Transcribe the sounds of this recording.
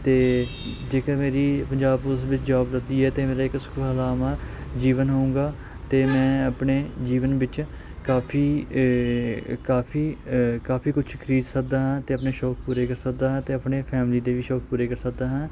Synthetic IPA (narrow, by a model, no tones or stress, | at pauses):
t̪eːd͡ʒeːkameːɾiːpəɲd͡ʒaːbʊsʋɪt͡ʃd͡ʒaːbləd̪iːɛːt̪eːmeːɾaːɪkskːəlaːmaːd͡ʒiːʋənɦoũːɡaː | t̪eːmɛ̃ːəpɳeːd͡ʒiːʋənʋɪt͡ʃ | kaːpʰiː | kaːpʰiːkaːpʰiːkʊt͡ʃʰkʰəɾiːd̪sək̚d̪aːɦãːt̪eːəpneːʃɔːk̚ʰpuːɾeːkəɾsək̚d̪aːɦãːt̪eːəpneːpʰɛːmliːd̪eːʋiːʃɔːk̚puːɾeːkəɾsək̚d̪aːɦãː